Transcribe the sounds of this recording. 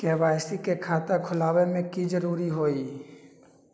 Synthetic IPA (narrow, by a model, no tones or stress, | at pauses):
keːʋaːsikekʰaːt̪akʰʊlaːwemẽkid͡ʒəɾuːɾiɦoːi